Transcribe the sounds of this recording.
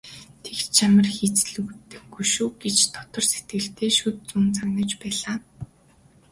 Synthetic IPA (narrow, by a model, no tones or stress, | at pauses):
t̪ʰekt͡ɕʰamə̆rxit͡sɮɵkt̪ɘ̆xɡuʃuːɡet͡ɕt̪ʰɔ̥t̪ɞ̆rset̪ɡɘ̆ɬt̪ʰeːʃut̪̚t͡suːnt͡saɣnə̆t͡ɕpæːɮaː